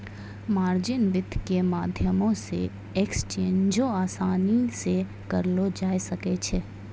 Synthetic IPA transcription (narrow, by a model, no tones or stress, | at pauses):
maːɾd͡ʒɪnʋɪd̪ʱkemaːd̪ʱjəmõsḛ | ekst͡ʃẽːɲd͡ʒõaːsaːnise | kɐɾlod͡ʒaːjsɐket͡ʃʰeː